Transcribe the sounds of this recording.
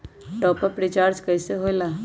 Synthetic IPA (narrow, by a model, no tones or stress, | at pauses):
ʈɔːpəpɾit͡ʃaːɾd͡ʒkəjseɦojla